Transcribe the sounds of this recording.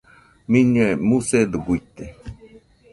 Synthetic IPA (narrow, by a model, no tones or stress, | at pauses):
mĩɲuemused̪uɡuit̪e